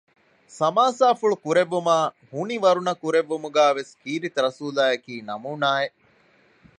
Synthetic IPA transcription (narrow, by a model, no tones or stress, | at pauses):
sɐmaːsaːfuɭukuɾeʋːumaː | huniʋɐɾunɐkuɾeʋːumuɡæːʋeskiːɾit̪ɾɐsuːlaːjɐkiːnɐmuːnaːeʔ